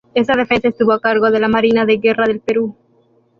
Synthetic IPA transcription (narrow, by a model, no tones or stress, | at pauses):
e̞sað̞e̞fe̞nsae̞st̪uβoakaɾɣo̞ðe̞lamaɾinaðeɣe̞raðe̞lpe̞ɾu